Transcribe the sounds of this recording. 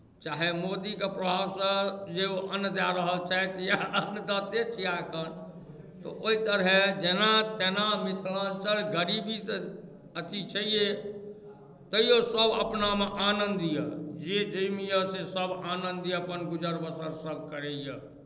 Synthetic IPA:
t͡ʃaɦemod̪ikepɾəbʱabsə̃d͡ʒeoʔənːd̪aɾəɦəlt͡ʃaet̪jaənd̪ət̪et͡ʃʰiakən | t̪ɔ̰ʔoit̪əɾɦed͡ʒenat̪enamit̪ʰlant͡ʃəlɡəɾibit̪ | ət̪it͡ʃʰəije | t̪əjosəbʱə̰pnameʔanənd̪ijəd͡ʒed͡ʒəjmijəsesəbanənd̪əpənɡud͡ʒəɾbəsəɾsəbʱkəɾejə

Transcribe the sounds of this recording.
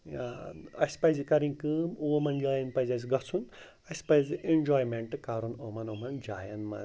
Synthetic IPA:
aɐspɐjzikɐɾĩkɨːmomɐnd͡ʒaːjɐnpɐjzɐs̬ɡɐt͡sʰun | ɐspɐjzɨʔend͡ʒoːjmeɳʈɨkaɾunoːmɐnoːmɐnd͡ʒa̰ːjɐnmɐ̰

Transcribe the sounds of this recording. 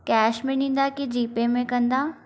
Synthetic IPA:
kɛːʃmẽnĩːnd̪aked͡ʒiːpẽmẽkɐ̃nd̪aː

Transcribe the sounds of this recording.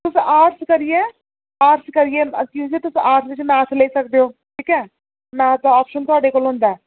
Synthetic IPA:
t̪ʊsaːɾskəɾijeː | aːɾskəɾijekjĩːd͡ʒeːt̪ʊsaːɾsʋɪt͡ʃmɛ̃ːɾsʰleːiːsək̚d̪eoːʈʰiːkɛː | mɛ̃ːt̪aɔːpʃənt̪ʊaːɖeːkoːlɦʊ̃ːnd̪aɛː

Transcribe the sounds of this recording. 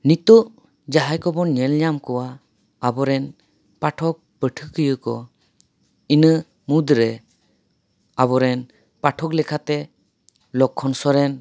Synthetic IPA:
nit̪ɔʔ | d͡ʒaɦajkɔbɔɲɛlɲamkɔwa | abɔɾɛn | paʈʰɔk̚pəʈʰɯkɯjəkɔ | inə | mud̪ɾɛ | abɔɾɛn | paʈʰɔklɛkʰat̪ɛ | lɔkʰːɔnsɔɾɛn

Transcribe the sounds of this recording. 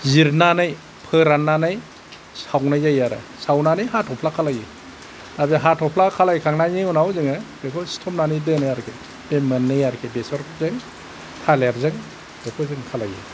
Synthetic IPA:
ziɾnanɯj | pʰɯɾanːanɯj | sawnajzajaɾɯ̰sawnanɯjɦatʰɔpʰlakʰalaji | tabeɦatʰɔpʰlakʰalajkʰaŋnanɯunawzɯŋɯbekʰɔsi̥tʰɔmnanɯjdɯnɯjaɾkʰe | bemɯnːɯjaɾkʰebesɔɾzɯŋ | tʰaleɾzɯŋ | dɔpʰɯzɯŋkʰalajḭ

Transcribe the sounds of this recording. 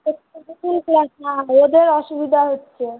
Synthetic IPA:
ekobukulplasnaod̪eɾɔʃubid̪ʱaɦotːɕʰe

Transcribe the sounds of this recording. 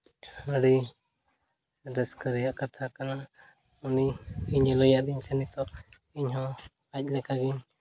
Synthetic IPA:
əɽi | ɾɛskəɾɛjaʔkat̪ʰakana | uniiɲɛlɔjaʔd̪iɲt̪ʰɛnit̪ɔ | iɲɦɔ̃ | ac̚ˀlɛkaɡiɲ

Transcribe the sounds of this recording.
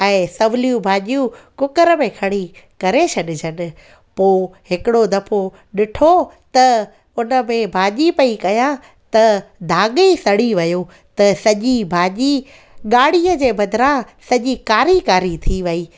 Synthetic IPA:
ɛ̃ːsɐʋɪlijũbʱaːʄijũkʊkəɾmẽkʰɐɽ̃ikɐɾesʰɐɗɪd͡ʑʱənɪ̆ | poːɦɪkɪɽod̪ɐpʰo | ɗɪʈʰot̪ɐ | ʊnə̆mẽbʱaːʄipɐikɐjã | t̪ɐd̪ʱaːɠesɐɽ̤iʋɐjo | t̪ɐsɐʄibʱaːʄi | ɠaːɽ̤iːəd͡ʑeːbɐd̪ʱɪɾã | sɐʄikaːɾikaːɾit̪ʰiʋɐiː

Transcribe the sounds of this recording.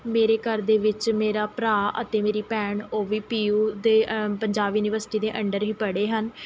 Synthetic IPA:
meːɾeːkəɾd̪eːʋɪt͡ʃmeːɾaːpɾaːə̰t̪eːmeːɾiːpɛːɳoːʋiːpiːuːd̪eːpəɲd͡ʒaːʋiːʊnɪʋəɾsʈiːd̪eːʔə̃ɳɖəɾɦiːpəɽeːɦən

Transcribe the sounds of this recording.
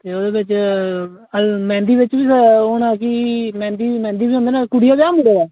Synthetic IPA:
t̪eːoːd̪eːʋɪt͡ʃ | əlmɛ̃ːnd̪iːʋɪt͡ʃbiːsəoːnãːkimɛ̃ːnd̪iːmɛ̃ːnd̪iːbiːõnd̪eːnãːkʊɽijaːbjaːməɽeːdaː

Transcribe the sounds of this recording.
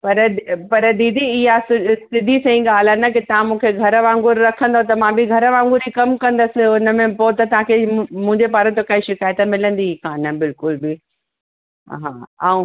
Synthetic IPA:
pɐɾpɐɾd̪iːd̪iɪɦasɪsɪd̪ʱisɐ̃ĩɠaːl̤anɐkɪt̪ɐʋãmũːkʰeɡʱɐɾəʋãːŋɡʊɾɾɐkʰə̃nd̪ot̪̬ɐmãbiɡʱɐɾəʋãːŋɡʊɾikɐmkɐ̃nd̪əsɪʊnə̆mẽpoːt̪ɐt̪ɐʋ̤ãkʰemũɦɪ̃ɲd͡ʑepaːɾə̃t̪okaːĩʃɪkaːjt̪əmɪlə̃nd̪ikaːnəbɪlkʊlbɪ | ɦaːa̰ːũ

